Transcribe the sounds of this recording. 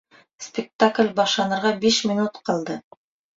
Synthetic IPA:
spʲɪk̚t̪aklʲbɑʃlˠɑnɤ̆ɾʁɑbiʃmʲɪnut̪qʰɑlˠd̪ɤ

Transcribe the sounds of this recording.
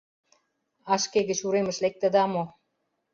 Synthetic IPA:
ɑʃkeɣə̆t͡ɕuɾemə̆ʃlek̚t̪ə̆d̪ɑmo

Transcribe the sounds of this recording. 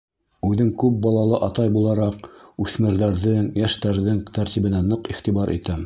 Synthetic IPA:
ʉðɘŋkʉp̚bɑlˠɑlˠɤʔɑt̪ɑjbulˠɑɾɑqʉθmɘ̆ɾðæɾðɘŋjæʃt̪æɾðɘŋt̪æɾt̪iβɘ̆nænɤqiχt̪ibɑɾʔḭt̪æm

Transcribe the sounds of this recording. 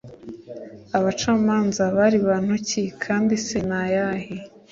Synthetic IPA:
aβat͡ʃaːmaːnzaβaɾiβaːn̥hucikʰaːndisenajahi

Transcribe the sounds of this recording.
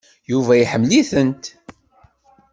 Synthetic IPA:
juvæjiħəmːliθənt̪

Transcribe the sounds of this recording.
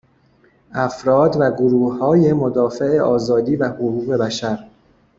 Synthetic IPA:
ʔæfɾɒːd̪væɡoɾuːhɒːje̞mod̪ɒːfe̞eʔɒːzɒːd̪iːvæhoɣuːɣe̞bæʃæɾ

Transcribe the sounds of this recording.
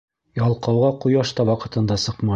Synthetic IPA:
jɒlˠqɑwʁɑqujɑʃt̪ɑwɒqɤ̆t̪ɤ̆nd̪ɑsɤqmɑ

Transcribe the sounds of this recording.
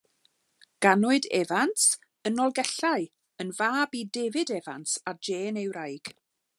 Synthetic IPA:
ɡ̥anʊɨdɛ̰vant | ənɔlˠɡɛɬaɨ | ənvaːbidɛvɪdɛvantad͡ʒeːnewɾajɡ̥

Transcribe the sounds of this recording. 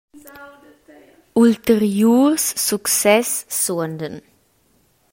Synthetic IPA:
ult̪əɾjuːɾsːuksɛsːuənd̪ən

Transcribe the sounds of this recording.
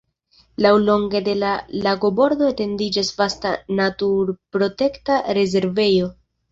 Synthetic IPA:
lawlo̞ŋɡe̞de̞lalaɡo̞bo̞ɾdo̞ete̞ndid͡ʒasvastanatuɾpɾo̞te̞ktaɾe̞ze̞ɾve̞jo̞

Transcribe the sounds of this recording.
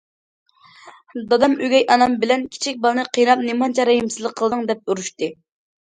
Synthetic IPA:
d̪ɑd̪ɑmyɡʲɛjʔɑnɑmbɪlɛnkʲʰi̥t͡ʃʰik̚ʲbɑlˠɨnɨqʰijnɑp̚nemɑnt͡ʃʰɑɾɛɦimsɨzlˠəqʰːəlˠd̪ɨŋd̪ɛp̚uɾuʃt̪ɨ

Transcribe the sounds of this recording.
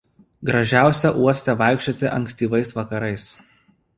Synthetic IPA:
ɡɾɐʒʲæˑʊsʲɛʔuɔsʲt̪ʲɛʋɑˑɪkʲʃʲt͡ʃʲot̪ʲɪʔɐŋʲksʲt̪ʲiːʋɐɪsʋɐkɐɾɐɪs

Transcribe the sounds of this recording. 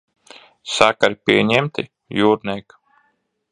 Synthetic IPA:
sakaɾipʲiɛɲɛmt̪ḭ | juːɾnʲɛk

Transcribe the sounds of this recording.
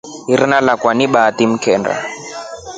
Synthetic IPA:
ɦirinalakwaniɓatim̩kʰɛːnda̰

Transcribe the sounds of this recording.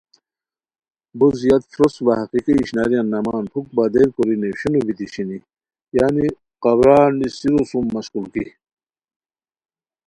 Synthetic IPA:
buzijɐt̪fɾosʋahɐqiqiːɕnaːɾijanːɐmaːnpʰuk̚bad̪eɾkoɾineɕinubit̪iɕini | jaːni | qɐbɾaːndisiɾusumːɐɕkulki

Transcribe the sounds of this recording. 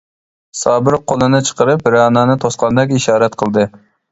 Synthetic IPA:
sɑːbɨɾqʰolˠɨnɨt͡ʃʰə̥qəɾɨp̚bɾɑːnɑːnɨt̪ʰosqɑnɨd̪ɑkʲiiʃɑːɾɛt̪qʰəlˠd̪ɨ

